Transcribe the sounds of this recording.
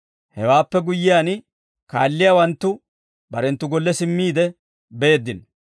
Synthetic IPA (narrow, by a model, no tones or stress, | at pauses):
hɛwaːpːɛɡʊjːɪjaːn | ka̰ːlːɪjawɐnt̪ːʊ | bɐɾɛnt̪ːʊɡɔlːɛsɪmːiːd̪ɛ | be̞ːd̪ːɪn